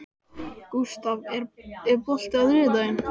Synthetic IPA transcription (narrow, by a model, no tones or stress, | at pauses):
ku̥st̪avɛɾɛɾpɔl̥t̪ɪaðɾɪːt̪aɪn